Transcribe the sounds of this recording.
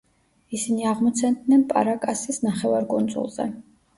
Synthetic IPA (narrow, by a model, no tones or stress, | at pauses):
isiniaʁmɔt̪sʰɛnd̪nɛnpʼa̰ɾakʼasisnaχɛvaɾkʼund̪zṵlˠz̥ɛ̰